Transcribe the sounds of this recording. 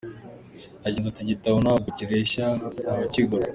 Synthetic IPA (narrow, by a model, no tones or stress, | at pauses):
aɟeːnzatiɟitaβonaaɡuciɾeiʃaŋɡaaβaciɡoɾa